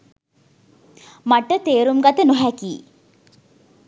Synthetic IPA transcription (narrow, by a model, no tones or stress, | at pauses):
maʈət̪eːɾumɡat̪ənoɦækiː